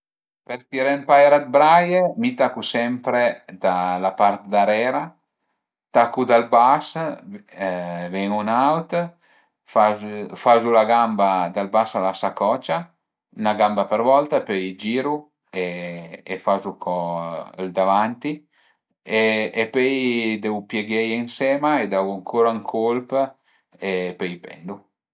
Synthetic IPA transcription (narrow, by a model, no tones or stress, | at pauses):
pɛɾt̪iɾɛmpajɾad̪̚bɾajemit̪akusɛmpɾed̪alapart̪d̪aɾɛːɾa | t̪akud̪albas | vɛŋunawt̪ | fafazulaɡambad̪albasalasakɔt͡ʃa | naɡambapəɾvɔlt̪apɛjd͡ʒiːɾu | eː | fazukʰɔld̪avant̪i | eepɛjd̪ɛwpjɛɡɛjɛŋsɛːmaed̪avuaŋkʰoɾaŋkʰolp | epɛjpɛ̰nd̪u